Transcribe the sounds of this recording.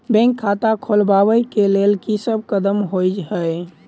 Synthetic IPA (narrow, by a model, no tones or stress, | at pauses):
bɛ̃ŋkʰːat̪akʰolbaʋəjkelelkisəb̚kəd̪əmɦojd͡ʒɦəj